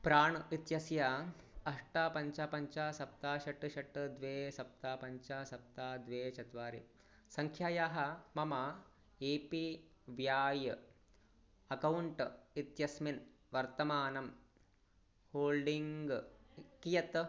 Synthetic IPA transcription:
pɾaːɳit̪jɐsjaːɐʂʈaːpɐɲt͡ʃaːpɐɲt͡ʃaːsɐp̚t̪aːʃɐʈːʃɐʈd̪ʋeːsɐp̚t̪aːpɐɲt͡ʃaːsɐp̚t̪aːd̪ʋeːt͡ʃɐt̪ʋaːɾḭ | sɐŋkʰjaːjaːɦɐmɐma | eːpi | ʋjaːj | ɐkɐwɳʈit̪jɐsmin | ʋɐɾt̪ɐmaːnɐm | hoːlɖiŋɡkijɐt̪

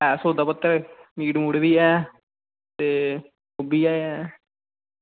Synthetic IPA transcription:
ɛːsoːd̪aːpət̪ːəɾmiːɖmuɽbiːɛː | t̪eː | obiːaːɛː

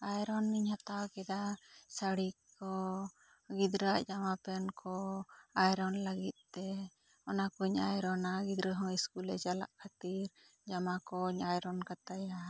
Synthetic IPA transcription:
ajɾɔnːiɲhat̪awakɛd̪asaɽi | ɔ | ɡid̪ɾaʔd͡ʒamapɛnkʰɔajɾɔnləɡit̪̚ˀt̪ɛ | ɔnakuɲajɾɔnaɡid̪ɾəɦɔ̃iskulɛ̰t͡ʃala̰ʔkʰat̪iɾ | d͡ʒamakɔɲajɾɔnkat̪aja

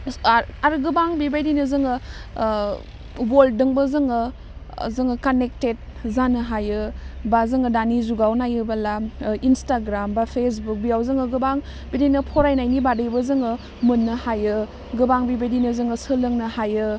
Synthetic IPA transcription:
aɾɡɯbaŋbibajdinɯzɯŋɯ | boldɯŋbəzɯŋɯ | zɯŋɯkanek̚tet̚ | zanɯɦajɯbazɯŋɯdanizuɡawnajɯbalainstaɡɾambapʰes̬buk̚bijawzɯŋɯɡɯbaŋ | bidijnɯpʰoɾajnajnibadɯjbəzɯŋɯ | mɯnːɯhajɯ | ɡɯbaŋbibajdinɯzɯŋɯsɯlɯŋnɯhajɯ

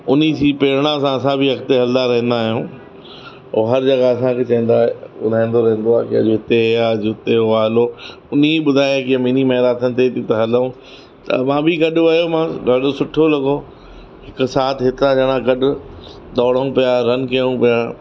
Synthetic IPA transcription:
ʊnid͡ʑiːpeːɾɽ̃ãsãɐsãbʱiɦɐkt̪eɦɐld̪aɾɐɦə̃n̆d̪aːɦijũː | o̰ːɦɐɾd͡ʑɐɡaɐsãkʰeːt͡ɕɐ̃ɦə̃n̆d̪aeʊ̰d̪ʱaːĩnd̪oɾɐɦẽnd̪oaːkiɐ̰d͡ʑoɦɪt̪eɦjad͡ʑʊɪt̪eɦoaːɦɪlo | ʊniɓʊd̪ʱaːjãkiãmiːnimɐːɾaːt̪ʰənɪ̆t̪ʰet̪it̪ɐɦɐləũ | t̪ɐ̰mãːbʱɪɡɐɗʊʋɐjomãɗɐːɽosʊʈʰolɐɡo | ɦɪkʊ̆saːt̪ʰɦɪt̪ɾãd͡ʑɐːɽ̃ãɡɐɗʊ | d̪ɔːɽəũpijaɾɐnkɐjə̃ũpija

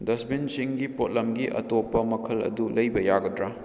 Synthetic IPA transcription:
dɐsbinsiŋɡipot̚lɐmɡiʔɐ̰topːɐmɐkʰɐlɐ̰dulɐjbɐjaɡɐdɾa

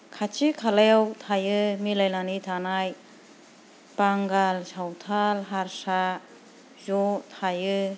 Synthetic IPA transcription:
kʰat͡ʃikʰalewt̪ʰajɯmilajnanit̪ʰanaj | paŋɡalsawtʰalɦaɾsa | zɔt̪ʰajɯ

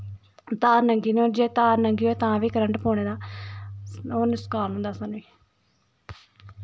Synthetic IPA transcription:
t̪aːɾnəŋɡiːnõːd͡ʒeːt̪aːɾnəŋɡiːoːt̪ãːʋiːkəɾəɳʈpoːɳeːd̪aː | oːnʊskaːnɦʊ̃nd̪aːsanːiː

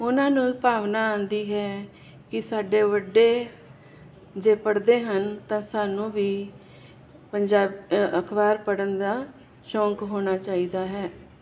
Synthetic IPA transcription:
ʊnãːnũːpaːʋnaːãːnd̪iːɦɛː | kɪsaːɖeːʋəɖːeː | d͡ʒeːpəɽd̪eːɦənt̪ãːsaːnũːʋiː | pəɲd͡ʒaːbəkʰbaːɾpəɽənd̪aː | ʃɔ̃ːŋkɦoːɽ̃aːt͡ʃaːiːd̪aːɦɛː

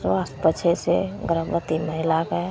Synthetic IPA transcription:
sʋaːst̪pət͡ʃʰeseɡəɾəbɾət̪iməɦɪlakae

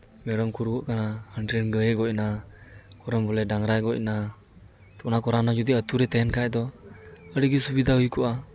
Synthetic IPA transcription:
meɾɔmkuɾɡɔʔkʰanahəndɾenɡəjeɡɔʔna | kɔɾɔmbɔlɛdaŋɾajɡɔc̚na | tɔʔnakɔɾanad͡ʒud̪iət̪uɾɛt̪ajɛnkʰajd̪ɔəɾiɡisubid̪aikuʔa

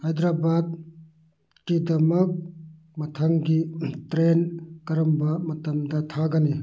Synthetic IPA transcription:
hajd̪ɾabad̪̚ | kid̪ɐmɐk̚ | mɐt̪ʰɐŋɡitɾenkɐɾɐmbɐmɐt̪ɐmd̪ɐt̪ʰaɡɐni

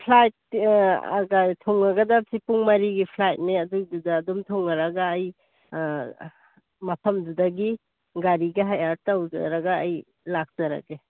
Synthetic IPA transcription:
pʰlajt̚a̰ɡatʰɔŋaɡɐdasipuŋmaɾiɡipʰlajt̚neɐdududaːdumtʰɔŋaɾaɡaːj | mɐpʰɐmdudaɡi | ɡaɾiɡaɦajaɾtawza̰ɾaɡaːj | lak̚z̥ɐɾa̰ɡe

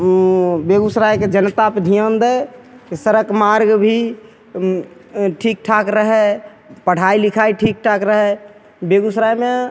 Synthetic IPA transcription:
beɡusɾajked͡ʒənt̪apd̪ʱijənd̪əsəɾəkmaɾɡbʱi | ʈʰik̚ʈʰakɾəɦɛ | pəɽ̤ailikʰaiʈʰik̚ʈʰakɾəɦɛ | beɡusɾajme

